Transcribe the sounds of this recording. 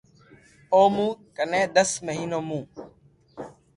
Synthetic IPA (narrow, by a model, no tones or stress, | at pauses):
oːmũːkənẽːd̪əsməɦiːnoːmũː